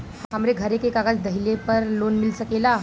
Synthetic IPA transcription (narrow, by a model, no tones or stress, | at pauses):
ɦamɾeɡʱəɾekekaɡat͡sd̪əɦilepəɾlonmilsəkela